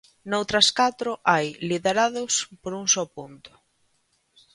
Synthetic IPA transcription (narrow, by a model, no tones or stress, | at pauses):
nowt̪ɾɐskat̪ɾʊʔajliðeɾaðʊspoɾuŋsɔpunt̪ʊ̥